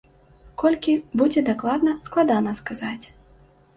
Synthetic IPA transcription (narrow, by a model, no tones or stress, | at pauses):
kɔlʲkʲibud͡zʲɛd̪aklˠad̪nɐsklˠad̪anɐskazat͡sʲ